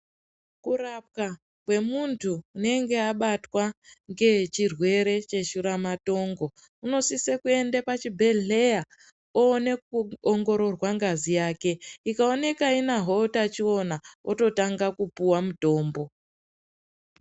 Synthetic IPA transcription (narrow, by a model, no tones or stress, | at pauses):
kurap̚ka | kwe̞muntʰuːne̞ŋɡe̞aɓatwaŋɡe̞t͡ʃirwe̞ɾe̞t͡ʃe̞ʃuɾamato̞ːŋɡo̞ | uno̞sisekue̞ndepat͡ʃibʱe̞ɮeja | oːne̞kuoŋɡo̞ɾo̞rwaŋɡazijaːke̞ikaone̞kainaɦotat͡ʃio̞naoto̞taŋɡakupuwamuto̞ːmbo̞